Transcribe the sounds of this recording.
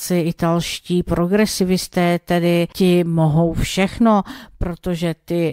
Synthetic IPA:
sɪɪt̪alʃciːpɾo̞ɡɾɛsɪvɪst̪ɛːt̪ɛdɪcɪmoɦo̞wfʃɛxno̞pɾo̞t̪o̞ʒɛt̪ɪ

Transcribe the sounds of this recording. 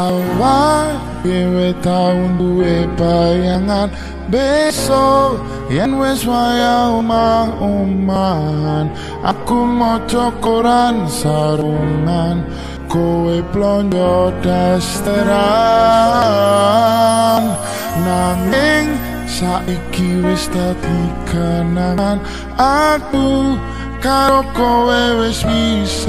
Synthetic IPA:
awa | kewet̪aundueb̥ajaŋan | besɔ | janweswajaumaŋuman | ʔakumɔ̥t͡ʃɔkoɾansaɾuŋan | koweplɔɲd͡ʒɔd̥ast̪əɾa | n | naŋɪŋ | saʔikiwɪst̪ad̪̥iɡ̥anan | aku | kaɾokowewɪswis

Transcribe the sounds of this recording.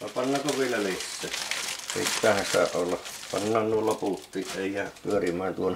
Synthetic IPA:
ʋɑpɑnːɑkoʋielːæʋisːeːsḭtpæˑhænsɑ̰ˑeʔʔolːɑpɑ̰nːɑːnnuolloput̪ːiːʔʔeˑijˑæˑːpyørimˑæːnt̪uon

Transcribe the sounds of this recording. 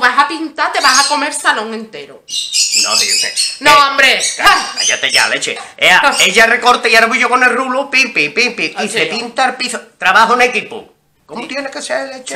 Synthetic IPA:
βasapint̪at̪eβasakomeɾsalõŋẽnt̪eɾonõ̰ðiut̪enõambɾeka̰ʎat̪eʎa̰let͡ʃeeaeʎarekoɾt̪aiaɾaβiʝokonelrulupipipipiisepint̪alpiθot̪ɾaβaɦonekipṵ | komut̪jenekeselet͡ʃe

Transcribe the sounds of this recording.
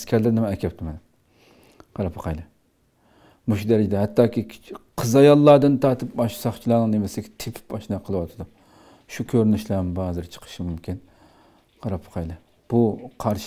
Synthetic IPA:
skʲʰæɾlɪɾnɪmɛːkʲʰɛp̚t̪ʰɪmɛnɪm | qʰɑɾɑpʰə̥qʰɑjlˠɨ | muʃud̪æɾɪd͡ʒɪd̪ɛɦɛt̪ːɑːkʲiqʰəzɑjɑlˠːɑːd̪ɨnt̪ʰɑːt̪ʰɨp̚ɑʃsɑχt͡ʃʰilˠɑnɨŋd̪emɪsɪɡʲɛt̪ʰepʰɪ̥pɑʃnɑqʰəlˠɨwɑt̪ʰɨd̪u | ʃukʲʰøɾnyʃlæmbɑzɨɾt͡ʃʰə̥qʰə̥ʃimumkʲʰin | qʰɑɾɑpʰə̥qʰɑjlˠɨ | b̥uqʰɑɾʃ

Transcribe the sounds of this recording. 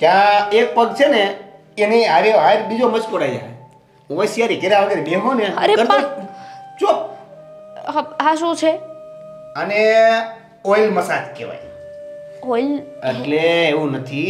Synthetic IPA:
kjãek̚pəɡt͡ʃʰene | eniəɾeɦaɾbid͡ʒomət͡ʃkoɽajd͡ʒa̰ɦ | ũʋəjsjaɾikeɾaʋəɡeɾebemoneəɾeəɾtã | t͡ʃo | ɦɦãʃũt͡ʃʰe | əne | ojlməsat̪ʰkḛʋa̰j | oil | eʈleːʋũnət̪ʰi

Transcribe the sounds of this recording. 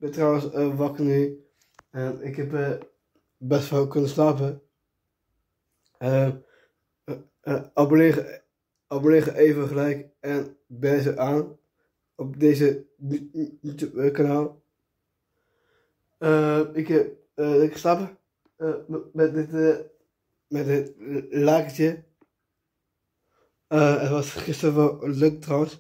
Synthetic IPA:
bɛtrɔwənsəʋɔkəny | əɪkɦɛpə | bɛstfalkønəslapə | ə | ɔplɪə | ɔplɪχəʔeːvəχəlɛjk | ɛnbɛːz̬əʔaːn | ɔp̚deːzə | tkanaːlˠ | əɪk | ɪkstɑpə | mɛt̚dɪt | mɛtɪtlaːkətjə | əətʋɑsχɪstərvɔløktrɔwəns

